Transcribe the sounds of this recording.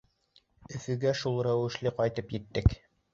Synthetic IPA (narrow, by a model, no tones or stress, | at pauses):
ɵ̆fɵ̆ɡæʃulˠɾæwɘ̆ʃlɘqɒjt̪ɤpjɘ̆t̪ːɘk